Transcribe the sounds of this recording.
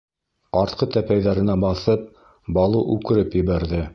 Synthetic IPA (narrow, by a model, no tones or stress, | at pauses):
ɑɾt̪qʰɤt̪æpæjðæɾɘ̆næbɑθɤp̚ | bɑlˠuʔʉkɘ̆ɾɘpjɘ̆βæɾðɘ